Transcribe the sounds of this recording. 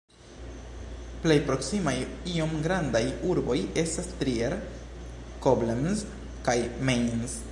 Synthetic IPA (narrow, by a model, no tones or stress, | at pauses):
ple̞jpɾo̞ksimajio̞mɡɾandajuɾbo̞je̞stastɾieɾ | koblemz | kajmejnz